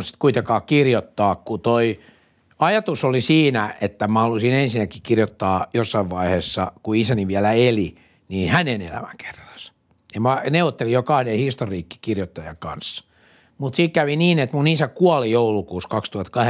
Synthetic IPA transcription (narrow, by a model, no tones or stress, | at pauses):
si̥t̪kuit̪ekɑːkkirjot̪ːɑːkkut̪oi | ɑjɑt̪usolisiːnæʔet̪ːæmæhɑlusinensinækːikirjot̪ːɑːjosːɑiʋʋɑiheːsːɑkuisæniʋiælæeli | niːnhænenḛlæ̰mæ̰ŋkʰe̥rːɑ̥s | jɑmæneuot̪ːelijokɑhnehist̪oriːkːi̥kirjot̪ːɑjɑ̰kɑ̰nsːɑ̥ | mut̪siːkkæʋiniːnet̪munisækuɑlijoulukuːskɑkst̪uhɑt̪kɑh